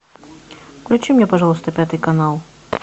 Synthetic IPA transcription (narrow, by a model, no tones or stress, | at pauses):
klʲʉt͡ɕimnʲepɐʐalˠəst̪əpʲat̪ɨjkɐnalˠ